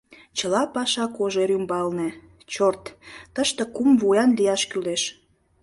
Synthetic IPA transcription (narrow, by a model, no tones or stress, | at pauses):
t͡ɕə̆lɑpɑʃɑkoʒeɾymbɑlne | t͡ɕort̪t̪əʃt̪ĕkumvujɑnlijɑʃkyleʃ